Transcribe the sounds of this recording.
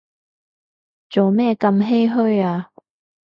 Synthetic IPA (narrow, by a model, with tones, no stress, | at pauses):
t͡soː˨wmɛː˥˧kɐ˧mɦe˥jɦɵ˥jaː˧